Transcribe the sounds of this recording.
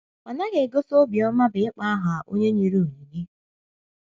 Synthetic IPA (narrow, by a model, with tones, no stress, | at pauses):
a˨na˦ɣe˨ɡo˦so˦bjɔ˦ma˦bɪ˨ɪ˦k͡pa˦a˦ɦa˨ʔo̰˦ɲe˦ɲi˨ɾu˨u˨ɲi˨ni˦